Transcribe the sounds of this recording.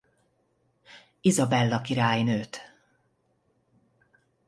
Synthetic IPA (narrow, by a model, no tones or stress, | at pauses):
izɒbɛlːɒkiɾaːjnøːt̪